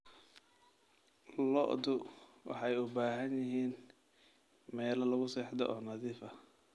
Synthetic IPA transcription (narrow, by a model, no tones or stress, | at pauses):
lɔ̰ʔd̪ʊwʔɑ̰ħɑjʊbaːɦɐnjɪɦiːn | mɛːlɐlʊɣʊsɛːħd̪ɔ̰ʔɔːnɐðiːfɐ